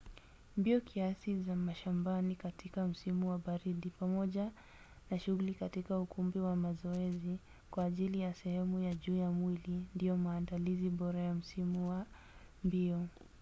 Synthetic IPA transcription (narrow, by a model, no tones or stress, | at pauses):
mbiɔkʰiasizamaʃambanikatʰikam̩simuwaɓaɾiɗipamɔʄa | naʃuɣulikatikaukʰumbiwamazɔɛzi | kwaːʄilijasɛhɛmujaʄuːjamwilindijɔmaːndaliziɓɔɾajam̩simuwa | mbiɔ